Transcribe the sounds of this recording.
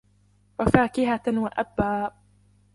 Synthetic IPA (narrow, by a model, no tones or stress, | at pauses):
wafaːkɪɦawaʔabːaː